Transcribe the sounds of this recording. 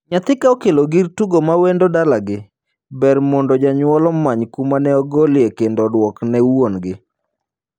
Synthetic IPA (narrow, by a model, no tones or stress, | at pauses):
ɲat̪ɪkaokeloɡirtuɡomawendodalaɡɪ | bɛrmɔndɔd͡ʒaɲwɔlɔmːaɲkumanɛɔɡɔlɪekendɔdwɔknɛwonɡɪ